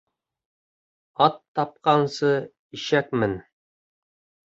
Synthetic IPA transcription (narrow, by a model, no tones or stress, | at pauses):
ɑt̪ːɑp̚qɑnsɤ | iʃækmɘn